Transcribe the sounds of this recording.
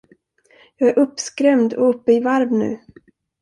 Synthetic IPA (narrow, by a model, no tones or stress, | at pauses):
jɑːɡæɾʔɵpːskɾɛmd̪ɔ̰ɵpːəɪvaɾvnʉ̟̰ː